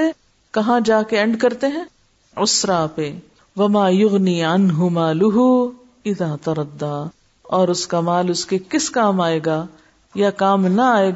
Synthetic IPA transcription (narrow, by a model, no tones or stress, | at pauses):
e | kɐɦãd͡ʒaːkeɛ̃ɳɖkɐɾt̪eɦɛ̃ː | ʊsɾaːpeː | ʋɐmaːjʊɣniːʕɐnɦʊmaːlʊɦu | ɪðaːt̪ɐɾɐd̪ːaː | ɔːɾʊskamaːlʊskekɪskaːmaːeːɡaː | jakaːmnɐaːeːɡ